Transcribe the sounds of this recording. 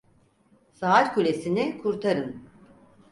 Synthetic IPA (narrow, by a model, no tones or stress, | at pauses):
saaɾʲkʰylʲesinikʰuɾt̪ʰaɾɯn